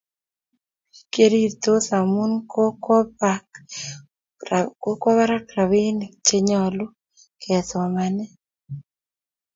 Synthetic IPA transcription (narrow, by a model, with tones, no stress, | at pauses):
ke˦ɾi˦t̪o˦sa˨mu˦nko˦kɔ˦pak | ko˦kɔ˦βa˦ɾa˦kɾa˨wi˦n˨t͡ʃe˦ɲɔ˨lu˦ | kɛ˨tɔ˨manɛ˦